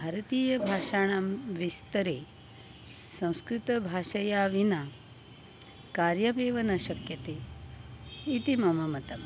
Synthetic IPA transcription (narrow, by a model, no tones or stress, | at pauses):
bʱaːɾɐt̪iːjɐbʱaːʃaːɳ̃amʋist̪ɐɾeː | sɐ̃w̃skɾut̪ɐbʱaːʃɐjaːʋina | kaːɾjɐbeːʋɐnɐʃɐkjɐt̪eː | it̪imɐmɐmɐt̪ɐm